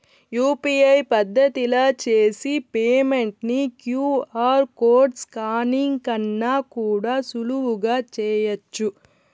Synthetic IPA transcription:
juːpiɐjpɐd̪ʱːɐt̪ilɐt͡ʃeːsipeːmeɳʈnikjuːaːɾkoːɾɖskaːniŋkɐnːaːkuːɽaːsuluʋuɡaːt͡ʃɛːjɐt͡ʃːu

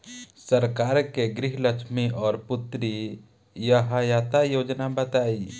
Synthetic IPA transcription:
səɾkaːɾkeɡɾɪɦləkʃmiʔɔːɾpʊt̪ɾi | jəɦajat̪ajoːd͡ʒnabət̪aːi

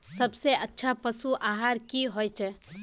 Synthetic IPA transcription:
səbseətːʃʰapəsuʔaɦaɾkiɦojt͡ʃʰɛ

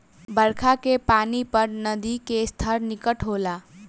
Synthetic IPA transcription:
bəɾkʰakepaːnipəɾnəd̪ikest̪ʰəɾnɪkəʈɦoːlaː

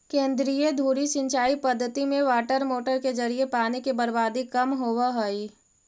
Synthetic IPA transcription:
kẽːnd̪ɾijed̪ʱuːɾiʃɪ̃ɲt͡ʃaːipɐd̪ʱːət̪imẽʋaːʈəɾmoːʈəɾked͡ʒɐɾiepaːnekebəɾbaːd̪ikɐmɦoːwaɦoiː

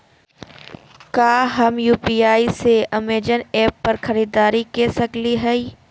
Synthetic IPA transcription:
kaːɦɐmjuːpiːaːiseɐmeːd͡ʒənɛːpːɐɾxɐɾiːd̪aːɾikesɐkliɦɛi

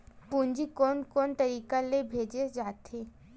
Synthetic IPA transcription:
pũnd͡ʒikonkont̪əɾiːkalebʱed͡ʒed͡ʒaːt̪ʰe

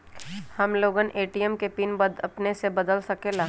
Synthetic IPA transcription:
hɐmloːɡənʔeːʈijəmkepiːnbəd̪ɐpnesebɐd̪əlsɐkelaː

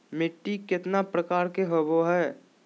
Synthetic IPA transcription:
mɪʈːikɪt̪napɾəkaːɾkeɦoʋoɦɛː

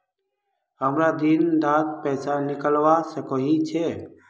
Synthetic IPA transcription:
ɦəmɾad̪ind̪aːt̪̚pɛːsanɪkəlwasəkoɦit͡ʃʰe

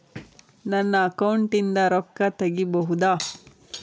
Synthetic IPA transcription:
nɐnːɐːkɐwɳʈind̪ɐɾɔkːɐt̪ɐɡibɐɦud̪aː

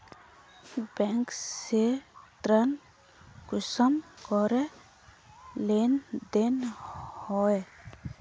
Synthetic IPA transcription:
bɛŋkset̪ɾən | kʊsəmkɔɾe | lend̪enhɔe

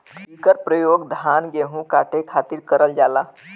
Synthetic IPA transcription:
ikəɾpɾəjoɡd̪ʱanɡeɦũkaʈekʰat̪iɾkəɾəld͡ʒala

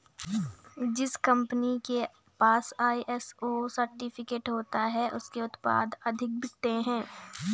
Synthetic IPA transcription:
d͡ʒɪskɐ̃mpənike | paːsaːiʔɛsoːsɐɾʈɪpʰɪkeːʈɦoːt̪aɦɛʔʊskeʊt̪pa̰ːd̪ɐd̪ʱɪk̚bɪt̪eɦɛ̃ː

